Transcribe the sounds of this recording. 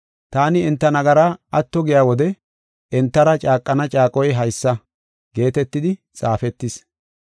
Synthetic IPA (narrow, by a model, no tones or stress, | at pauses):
t̪aːnɪɪnt̪ːɐnɐɡɐɾaʔɐt̪ːɔɡɪjaːwɔd̪ɛ | ʔɛnt̪ːɐɾɐt͡ʃʼaːkʼːɐnɐt͡ʃʼaːkʼɔjɦɐjsːɐ | ɡe̞ːt̪ɛt̪ːɪd̪ɪt͡sʼaːfɛt̪ːɪs